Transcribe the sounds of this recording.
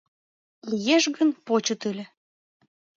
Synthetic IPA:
lijeʃɣənpot͡ɕət̪ylʲĕ

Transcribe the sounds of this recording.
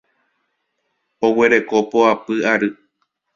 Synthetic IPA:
o̞we̞ɾe̞ko̞poapɨaɾɨ

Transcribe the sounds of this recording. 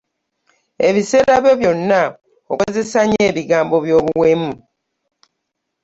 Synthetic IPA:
e̞βise̞ːɾaβjo̞βjo̞nːa | okoze̞saɲe̞ːβiɡaːmbo̞βjo̞ːβuwe̞ːmu

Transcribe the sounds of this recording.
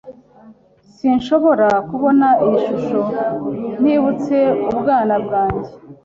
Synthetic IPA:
siɲʃo̞βo̞ɾakuβo̞naijiʃuʃo̞n̥hiːβut͡se̞ubɡaːnabɡaːɲɟe

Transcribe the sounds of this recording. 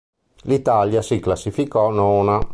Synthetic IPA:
lit̪aljasiklasːifikɔnoːna

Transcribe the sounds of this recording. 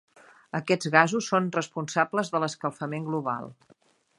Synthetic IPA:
əkɛd͡zɣazusːonrəspunsabləzðələskəlˠfəmeŋɡluβa̰lˠ

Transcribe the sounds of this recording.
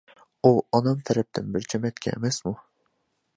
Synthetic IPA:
uɑnɑmt̪ʰɛɾɛp̚t̪ʰɪnbɪɾt͡ʃʰɛmɛt̪kʲʰɛ̰ḛmɛsmu

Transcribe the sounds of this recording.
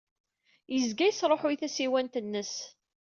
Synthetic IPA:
jəzɡæjəsɾˤoħʊjθæsiwænt̪ənːəs

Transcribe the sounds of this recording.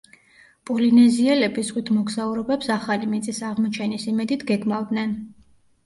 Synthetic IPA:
pʼɔlinɛziɛlɛbizʁwit̪ʰmɔɡzauɾɔbɛpsaχalimit̪sʼisaʁmɔt͡ʃʰɛnisimɛd̪it̪ʰɡɛɡmavd̪nɛn

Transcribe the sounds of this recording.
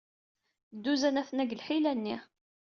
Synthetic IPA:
d̪ːuzænæθənæɡlħilænːi

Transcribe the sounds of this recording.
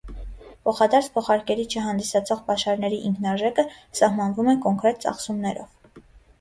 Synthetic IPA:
pʰɔχɑd̪ɑɾt͡sʰpʰɔχɑɾkɛɾit͡ʃʰəɦɑnd̪isɑt͡sʰɔʁpɑʃɑɾnɛɾiʔiŋkʰnɑʒɛkəsɑhmɑnvumɛkɔŋkɾɛt̪̚t͡sɑ̰χsumnɛɾɔ̰v̥

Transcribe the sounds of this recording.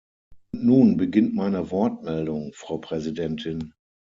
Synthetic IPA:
ʊntnuːnbəɡɪntmaɪnəvɔɐtmɛldʊŋfʁ̥aʊpʁ̥ɛzidɛntʰɪn

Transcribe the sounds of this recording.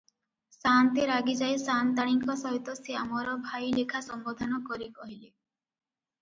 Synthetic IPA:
sant̪iɾaɡid͡ʒajsant̪aɽ̃iŋkɔsɔɦjt̪ɔsiamɔɾɔbʱajlekʰasɔmbɔd̪ʱanɔkɔɾikɔɦile

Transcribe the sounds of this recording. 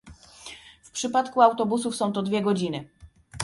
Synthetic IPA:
fpʂɘpat̪kuawt̪ɔbusufsɔ̃w̃t̪ɔd̪vʲjɛɡɔd͡ʑinɘ

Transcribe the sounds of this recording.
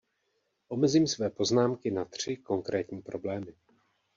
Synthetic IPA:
ʔo̞mɛziːmsvɛːpo̞znaːmkɪnat̪r̝̥ɪko̞ŋkɾɛːt̪ɲiːpɾo̞blɛːmɪ

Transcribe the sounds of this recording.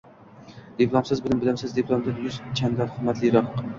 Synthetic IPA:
d̪̥epʰlˠomsɪzbɪlɪmbɪlamsɪzd̪epʰlˠomd̪ajʊzt͡ʃʰand̪aχɨmːat̪lɪɾɒq

